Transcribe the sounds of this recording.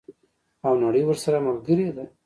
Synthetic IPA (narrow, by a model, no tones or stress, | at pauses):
awnaɽəjwəɾsaɾaməlɡəɾed̪a